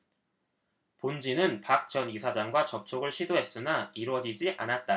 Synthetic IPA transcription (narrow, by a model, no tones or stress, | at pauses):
pond͡ʑinɯnpak̚t͡ɕʌnisʰad͡ʑaŋɡwat͡ɕʌp̚t͡ɕʰoɡɯɭɕʰidoɦe̞s͈ɯnaiɾwʌd͡ʑid͡ʑiʔa̰nat̚t͈a